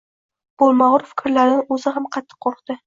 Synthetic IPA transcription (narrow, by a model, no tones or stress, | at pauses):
b̥olˠmɑʁʊɾfɪ̥kʲʰɾlaɾnɪɵzɪɦamqʰɑt̪ʰːɨ̥qʰːoɾqt̪ɪ